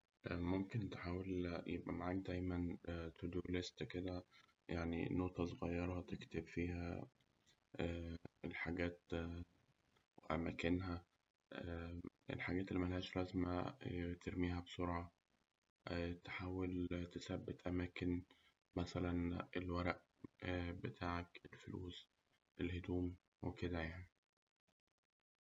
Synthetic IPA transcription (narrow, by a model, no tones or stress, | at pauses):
ʔmomkent̪eħaːweljebʔæmaʕaːk̚d̪æjmænt̪ʰod̪ulest̪ked̪æ | jaʕnḭnoʔt̪ˤɑsoɣɑjːɑɾˤhɑt̪ekt̪ebfiːhæ | æelħaɡæːt̪ | weʔæmækenɦæ | ʔæ | ḛlħaɡæːt̪elːimælhæːʃɾˤɑzmæt̪ʰeɾmiːɦæbsoɾʕɑ | t̪ħaːwelt̪esæbːet̪ʔæmæːken | mæsælænelwæɾˤæʔ | bet̪ʰaːʕakelfolṵːs | ʔelhed̪uːm | weked̪æjaʕni